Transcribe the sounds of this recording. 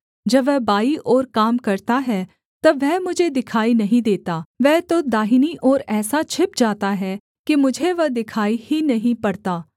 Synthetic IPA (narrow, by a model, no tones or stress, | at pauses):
d͡ʒɐʋɛːbaːiʔoːɾkaːmkɐɾt̪aɦɛː | t̪ɐʋɛːmʊd͡ʒʱed̪ɪkʰaːinɐɦĩd̪eːt̪aːʋɛːt̪õd̪aːɦiniʔoːɾɛːsat͡ʃʰɪp̚d͡ʒaːt̪aɦɛ | kimʊd͡ʒʱeʋɐd̪ɪkʰaːihinɐɦĩpɐɽt̪aː